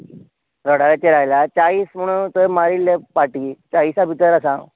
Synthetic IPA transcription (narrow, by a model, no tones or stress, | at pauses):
ɾɔɽaɾat͡ɕeɾajlat͡ɕaiːsm̤əɽ̃unt̪əmaɾilepaʈit͡ɕaiːsabʱit̪əɾasã